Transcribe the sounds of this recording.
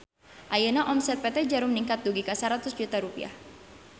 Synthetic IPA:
ʔajənaʔɔmsɛt̪̚pɛt̪ɛd͡ʒaɾuməniŋkat̪̚duɡikasaɾat̪ʊsd͡ʒut̪aɾupḭa̰h

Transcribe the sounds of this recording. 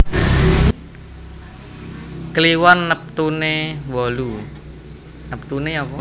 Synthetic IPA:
kəliwanːəp̚t̪unewɔlu | nəp̚t̪uneɔpɔ

